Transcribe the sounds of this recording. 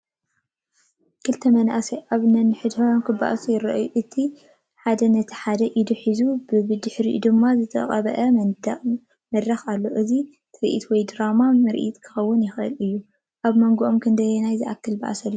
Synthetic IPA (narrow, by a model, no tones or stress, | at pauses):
kʰɨlt̪ʰɐmɐnʔaʔasiʔaβnɐnɨħɨd̪fɐwankʰɨba̰ʔsujɪɾɐ̰ʔjuʔɨt̪ʰi | ħad̪ɐnɐt̪ʰi̥ħad̪ɐʔid̪uħizubɨbɨd̪ɨħɾḭd̪ɨmːazɨt̪ʰɐ̰χʼɐβɐʔɐ | mɐd̪ɾɐxalːo̞ʔɨzi | t̪ʰɨɾʔḭt̪wɔjd̪ɨɾamamɨɾʔḭt̪kʰɨ̥xɐwːʊnjɪxɨ̰lɨjːu | ʔaβmɐŋɡuʔomkʰɨnd̪ɐjɛnajziʔa̰kʰːɨlbɐ̰ʔa̰sɐlːu